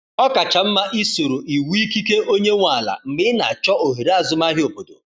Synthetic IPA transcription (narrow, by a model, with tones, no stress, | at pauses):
ɔ˦ka˨t͡ʃa˨m̩˦ma˦ʔi˦so˨ɾo˨ʔi˨wi˦ki˦ke˦o˦ɲe˦ŋʷa˨la̰˨m̩˨mɪ˦na̰˨t͡ʃɔ˦o˨ɦi˨ɾa˦˨zʊ˦ma˦ɦɪ˦o˨po˨do̰˨